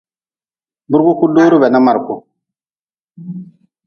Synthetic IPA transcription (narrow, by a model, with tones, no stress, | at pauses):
bu˦ɾɡu˦ku˦duː˦ɾu˦bɛ˨na˦ma˨ɾku˦